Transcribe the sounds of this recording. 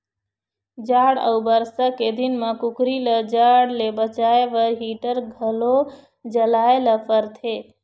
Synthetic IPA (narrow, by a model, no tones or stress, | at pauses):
d͡ʒaːɽə̰ubəɾsaked̪ɪnmãkʊkɾiləd͡ʒaːɽlebət͡ʃaːeʋəɾɦiːʈəɾɡʱəlo | d͡ʒəlaːeləpəɾt̪ʰeː